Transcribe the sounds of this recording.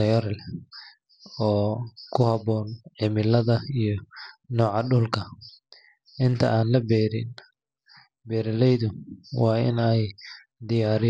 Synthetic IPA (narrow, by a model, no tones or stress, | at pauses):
ɐjɐɾl | ɔːkʰʊhɐbɔːnʕɪmɪlɐðɐijɞnɔːʕɑɖʊlkʰɐ | ʔɪnt̪ʰɐ̰ʔaːnlɐbɛːɾɪn | bɛːɾɐlɛjðʊwɑːɪ̰nɛj | d̪ɪjaːɾɪ